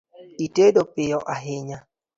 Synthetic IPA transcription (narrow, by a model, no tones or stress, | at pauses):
itedopɪjɔʔaɦɪɲa